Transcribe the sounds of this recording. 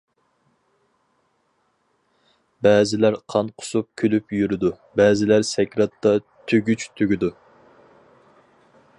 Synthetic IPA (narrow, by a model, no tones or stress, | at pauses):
bɛːzɪlæɾqʰɑnqʰʊ̥sup̚kʲʰølypjyɾɪd̪u | bɛːzɪlæɾsɛkʲɾɑt̪ːɑ | t̪ʰøɡʲyt͡ʃt̪ʰøɡʲid̪u